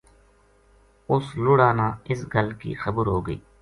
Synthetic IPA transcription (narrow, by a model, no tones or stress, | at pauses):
ʊslʊɽaːnaːɪsɡəlkḭːxəbəɾɦoːɡəḭː